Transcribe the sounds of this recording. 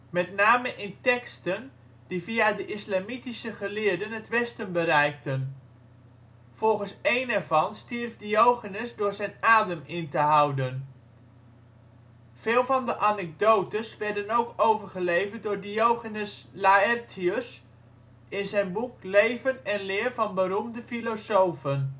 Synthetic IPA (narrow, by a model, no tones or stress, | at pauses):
mɛtnaːməʔɪntɛkstən | diviadəʔɪslamitisəχəlɪːəɹdənɦətʋɛstənbəɾɛjk̚tən | v̥ɔlˠχənsejnɛɹvɑnstirvdiowχənəsdʊːɹzɛjnaːdəmɪntəɦawdən | v̥ɪːlˠvɑndəʔanɛɡ̚dowtəsʋɛɹdənowkowvəɹχəlejvət̚dʊːɹdijowχənəslaɛrtʰiəs | ɪnzɛjnbuklejvənɛnlɪːrvɑnbəɾumdəfilosowfən